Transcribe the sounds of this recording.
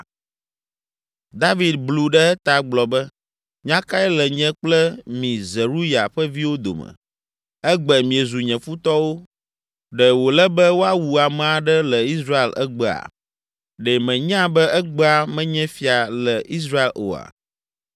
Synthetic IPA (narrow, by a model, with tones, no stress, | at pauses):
d̪a˦vi˨d̪̚blu˨ɖɛ˦ɛ˦t̪a˨ɡ͡blɔ˨bɛ˦ | ɲã˦ka˦ɛ˦lɛ˨ɲɛ̃˦k͡plɛ˦mĩ˨zɛ˨ɾu˦ja˨ɸɛ˦vi˦wo˦d̪o̰˨mɛ̰̃˨ | ɛ˦ɡ͡bɛ˨mĩ˨e˨zu˨ɲɛ̃˨fu˦t̪ɔ˦wo˦ | ɖɛ˨wo˨lɛ˦bɛ˦wo˦a˦wu˨a˨mɛ̃˨a˨ɖɛ˦lɛ˨i˦s̬ɾa˦e˨lɛ̰˦ɡ͡bɛ˨a̰˨ | ɖɛ˨mɛ̃˨ɲ˦ã˦bɛ˦ʔɛ˦ɡ͡bɛ˦a˨mɛ̃˦ɲɛ̃˦fi˦a˨lɛ˨ʔi˦s̬ɾa˦e˨lo̰˨a̰˨